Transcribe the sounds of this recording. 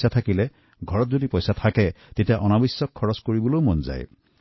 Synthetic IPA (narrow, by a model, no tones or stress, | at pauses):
satʰakilɛ | ɡʱɔɹɔtzodipɔjsatʰakɛ | tetijaʔɔnabisːɔkʰːɔɹɔskoɹibɔlowmɔnza̰j